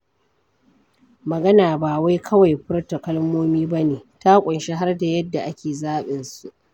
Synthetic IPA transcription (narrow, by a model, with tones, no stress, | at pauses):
mɐ˨ɡɐ˦naː˨baː˨wa˦jkʰɐ˦wa˨jɸʊ˦rta˨kɐ˦lmoː˦miː˦bɐ˦neː˨ta˦kʷʼʊ˨nʃe˦ɦa˦rda˨jɐ˦dːa˨ʔa˦kʲeː˨zaː˦ɓɪ˨nsu˨ʔ